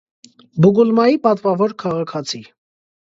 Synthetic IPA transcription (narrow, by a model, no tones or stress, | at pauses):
buɡulmɑjipɑt̪vɑvɔɾkʰɑʁɑkʰɑt͡sʰi